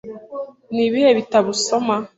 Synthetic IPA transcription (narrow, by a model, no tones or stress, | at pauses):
niβijeβitaβusoma